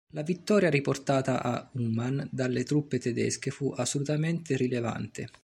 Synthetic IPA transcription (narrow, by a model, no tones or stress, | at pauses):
lavit̪ːɔːɾjaɾiport̪aːt̪aʔaumand̪alːet̪ɾupːet̪ɛd̪ɛ̰skefuʔasːolut̪ament̪eɾileva̰nt̪ḛ